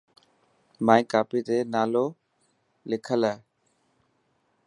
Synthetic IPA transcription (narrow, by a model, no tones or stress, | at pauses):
mãːĩːkaːpiːt̪eːnaːloː | lɪkʰəlaː